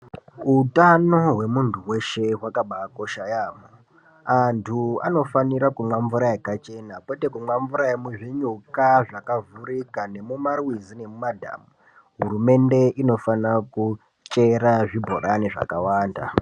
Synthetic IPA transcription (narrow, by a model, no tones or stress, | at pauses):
ɦutano̞ɦwe̞muntʰuwe̞ʃeɦwakaɓaːko̞ʃajaːmo | antʰua̰no̞faniɾakumwaɱvuɾaekat͡ʃe̞nakwete̞kumwaɱvuɾaemuʐiɲukaʐakavurikane̞mumarwizine̞mumadʱa̰ːmu | ɦurume̞nde̞ino̞fanaku | t͡ʃe̞ɾaʐibʱo̰ɾane̞ʐa̰kawaːnda̰